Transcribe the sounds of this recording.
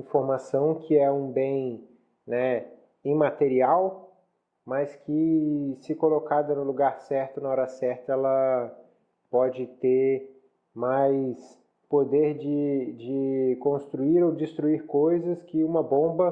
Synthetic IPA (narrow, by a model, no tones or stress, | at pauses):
ĩfoɾmasɐ̃w̃kʰɪɛũbẽj̃ | nɛ | ẽmat̪eɾiaw | mɐskɪsɪkolokad̪ɐnʊluɡaɾsɛɾt̪ʊnɐɔɾɐsɛɾt̪ɐɛlɐ | pɔd͡ʒɪt̪eɾ | majs | pod̪eɾd͡ʒɪd͡ʒɪkõst̪ɾuiɾowd͡ʒɪst̪ɾuiɾkojzɐskɪũmɐbõbɐ